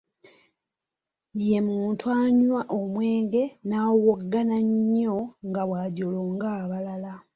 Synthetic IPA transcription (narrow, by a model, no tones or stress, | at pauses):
je̞muːntuaɲwaʔomwe̞ːŋɡe̞nawoɡːanaɲːoŋɡawaɟoloːŋɡaːβalala